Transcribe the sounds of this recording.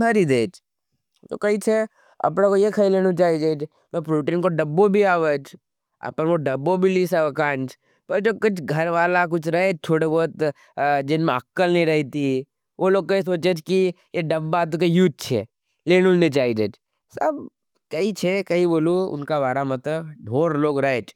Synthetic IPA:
bʱɐɾid̪eːd͡ʒ | t̪o̰kɐit͡ʃʰe | ɐ̰pnakojekʰɐileːñut͡ʃaːid͡ʒeːd͡ʒ | mɛ̃pɾuːʈĩːnkoɖɐbːobʱiaːʋət͡ʃ | ɐ̰pənkoɖɐbːobʱilisakãːnt͡ʃ | pɐɾd͡ʒoːkʊt͡ʃʰɡʱɐɾʋaːlak̬ʊt͡ʃʰɾɐɦet͡ʃt̪ʰoːɽebɔt̪ | d͡ʒɪnmẽɐkːəlnɐɦĩɾɐɦit̪i | ʋoloːɡ̚kois̬oːt͡ʃet͡ʃki | jeɖɐbːat̪̬okejuːt̪̚t͡ʃʰḛ | leːnunet͡ʃaːid͡ʒeːd͡ʒ | sɐb̚ | kɐit͡ʃʰekɐiboːluʊ̰nkaʋaːɾamɐt̪ləbɖʱoːɾloːɡɾɐet͡ʃ

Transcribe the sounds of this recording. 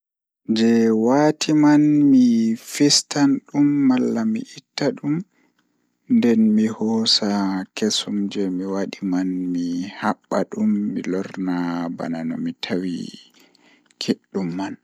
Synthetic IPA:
d͡ʒɛwatʰimanmifistanɗumːalːamḭʔitːaɗum | ndɛnmihɔːsakesumd͡ʒɛmiwaɗimanmihaɓːaɗumːḭlɔɾnaba̰nanɔ̰mitʰawḭ | kʰeɗːumːan

